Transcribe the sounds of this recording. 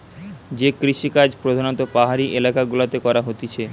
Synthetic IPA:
d͡ʑekɾiʃikad͡ʑpɾod̪ʱanot̪opaɦaɾiʔelakaɡulat̪ekɔɾaɦot̪it͡ɕʰe

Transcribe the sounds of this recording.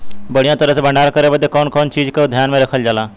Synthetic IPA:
bəɽijãt̪əɾəsebə̃ɳɖaːɾkəɾebəd̪ekɔːnkɔːnt͡ʃiːd͡ʒked̪ʱjaːnmẽɾəkʰəld͡ʒaːlaː

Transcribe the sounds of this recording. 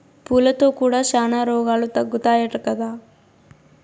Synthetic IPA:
puːlɐt̪oːkuːɽaːʃaːnaːɾoːɡaːlut̪ɐɡːut̪aːjɛʈɐkːɐd̪a

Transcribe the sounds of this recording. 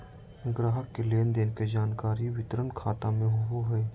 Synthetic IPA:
ɡɾaːɦəkːeleːnd̪eːnked͡ʒaːnkaːɾiʋɪt̪əɾənkʰaːt̪amẽɦoɦoɦɛː

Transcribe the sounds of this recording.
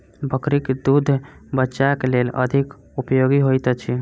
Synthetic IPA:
bəkɾiked̪ud̪ʱbətːʃakelelə̰d̪ʱik | upjoɡiɦojt̪ət͡ʃʰi

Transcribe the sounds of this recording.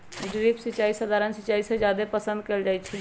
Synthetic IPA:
ɖɾibsit͡ʃːaisəd̪ʱaɾənsit͡ʃːaːisẽd͡ʒjad̪epəsə̃nd̪̚keːld͡ʒajt͡ʃʰɛ

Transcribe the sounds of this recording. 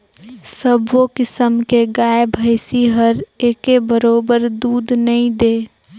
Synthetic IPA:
səbʋokɪsəmkeɡaːebʱəɪsiɦəɾeːkebəɾoːbəɾd̪uːd̪nɐĩd̪eː

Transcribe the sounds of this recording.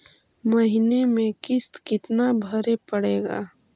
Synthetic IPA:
mɐɦɪnemẽkɪst̪kɪt̪nabʱəɾepəɽeːɡa̰ː

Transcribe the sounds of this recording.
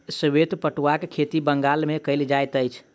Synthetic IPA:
səbet̪pəʈuwakkʰet̪ibəŋɡalmekəɪld͡ʒajt̪əjt͡ʃʰ

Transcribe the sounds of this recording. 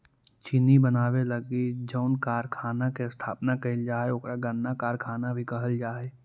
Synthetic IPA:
t͡ʃɪnibənaːweləɡid͡ʒəʊnkaːɾkʰaːnakest̪ʰaːpnakɐɪld͡ʒaːeʊkɾaɡə̃nːakaːɾkʰaːnabʱikɐɦəld͡ʒaːe

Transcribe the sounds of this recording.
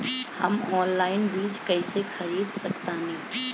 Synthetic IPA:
hə̰mɔːnlaːɪnbiːd͡ʒkɐɪsexɐɾiːd̪sɐkt̪anĩː

